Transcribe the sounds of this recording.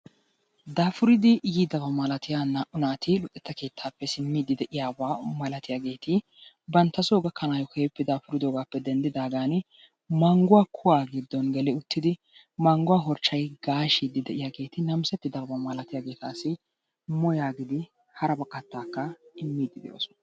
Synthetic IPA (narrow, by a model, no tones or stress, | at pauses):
d̪aːfʊɾɪd̪ɪjid̪ɐbɐmɐlɐt̪ɪjaːnɐʔʊnaːt̪ɪlʊt̪ʼːɛt̪ːɐke̞ːt̪ʰːaːpːɛsɪmːiːd̪ɪd̪ɛʔɪjaːbaːmɐlɐt̪ɪjaːɡe̞ːt̪ɪ | bɐnt̪ːɐsoːɡɐkːɐnaːjɔkɔɛpːɛd̪aːfʊɾɪd̪oːɡaːpːɛd̪ɛnd̪ɪd̪aːɡaːn | mɐŋɡʊwaːkʰʊwaːɡɪd̪ːɔnɡɛlɛʊt̪ːɪd̪ɪ | mɐŋɡʊwaːɦɔɾt͡ʃːɐjɡaːʃid̪ɪd̪ɛʔɪjaːɡe̞ːt̪ɪnɐmsɛt̪ːɪd̪ɐbɐbɐmaːlɐt̪ɪjaːɡe̞ːt̪aːsɪ | mɔjaːɡɪd̪ɪ | hɐɾɐbɐkʼːɐt̪ːaːkːɐɪmːiːd̪ːɪd̪ɛ̰jo̰ːsɔn